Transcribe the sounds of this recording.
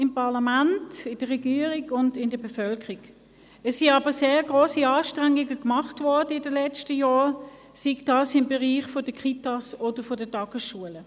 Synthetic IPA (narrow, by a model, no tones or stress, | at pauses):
ɪmpʰɑɐlɑmæntɪnd̥əʁɛɡiːəʁiɡʊndɪndəbefœlkəʁiɡ̥ | ɛsːiɑːbəseːʁɡʁoːsiɑːʃtʁæŋɪɡəkmɑχtvɔɐdəɪdəlɛt͡stəjɔː | siɡd̥ɑːsɪmbɛʁiːχfod̥əkχitɑsod̥əfodədɑɡ̥əsʃuələ